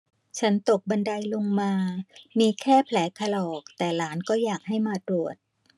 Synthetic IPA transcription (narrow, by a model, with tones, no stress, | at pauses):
t͡ɕʰa˦˥nt̪o˨˩k̚ba˧nda˧jlo˧ŋmaː˧miː˧kʰɛː˥˩pʰlɛː˩˦kʰa˧lɔː˨˩k̚t̪ɛː˨˩laː˩˦nkɔː˥˩jaː˨˩k̚ha˥˩jmaː˧t̪ɾu˨˩ət̪̚